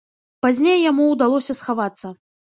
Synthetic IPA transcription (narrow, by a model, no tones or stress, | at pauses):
pazʲnʲejjamuwd̪alˠɔsʲɐsxavat̪sːɐ